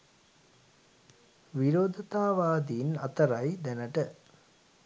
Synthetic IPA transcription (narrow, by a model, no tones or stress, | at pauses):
ʋiɾoːd̪ət̪aːʋaːd̪iːnat̪əɾajd̪ænəʈə